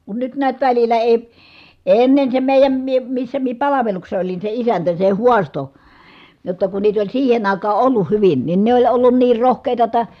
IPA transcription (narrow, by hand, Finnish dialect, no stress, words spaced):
kun nyt niæt ʋælilˑæ eˑi eˑi̯ enːen se meˑi̯jæm mie misːæ mie pɑlɑʋeluksesːɑ̆ olin se isæntæ se huɑsto jotːɑ kun niːt olʲ siːhen ɑˑikɑː ʔolːuh hyʋin nin ne olʲ olːun niːr rohkeˑitɑ tˑɑ